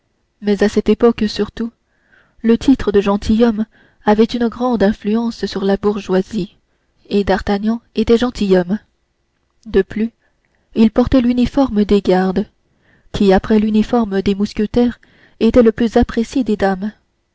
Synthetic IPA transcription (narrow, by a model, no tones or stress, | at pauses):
mɛzasɛt̪epɔksyʁt̪u | lət̪ʰit̪χəd̪əʒɑ̃t̪ʰijɔm | avɛt̪ynəɡʁɑ̃d̪ɛ̃flyɑ̃ssyʁlabuʁʒwazi | ed̪aʁt̪aɲɑ̃et̪ɛʒɑ̃t̪ijɔm | d̪əply | ilpɔʁt̪ɛlynifɔʁməd̪eɡaʁd̪ | kʲʰiapχɛlynifɔʁməd̪emuskʲət̪ɛʁ | et̪ɛləplyzapχesjed̪ed̪am